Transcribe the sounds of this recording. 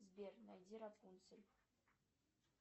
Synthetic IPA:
zbʲernajd̪ʲiɾapʰunsɘ̆lʲ

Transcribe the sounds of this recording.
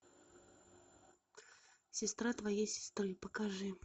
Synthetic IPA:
sʲɪst̪ɾat̪vajesʲɪ̥st̪ɾɨpəkaʐɨ

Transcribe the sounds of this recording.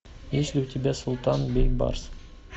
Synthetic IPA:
eʃlut̪ʰebesʊlˠt̪ɑnbejbɑ̰ɾs

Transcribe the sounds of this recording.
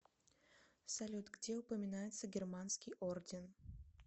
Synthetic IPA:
sɐlʲut̪ɡdʲeʊpəmʲɪnajɪt̪səɡʲɪrmanskʲɪjordʲɪn

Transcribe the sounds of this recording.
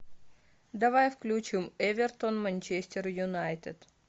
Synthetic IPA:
d̪ɐvajfklʲut͡ɕimɛvʲɪrt̪onmɐnʲt͡ɕesʲtʲɪrjʊnajt̪ʲɪt̪

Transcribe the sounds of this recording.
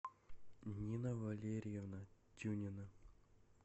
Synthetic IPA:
nʲinɐvɐlʲeɾʲɪjevnatʲunʲɪnə

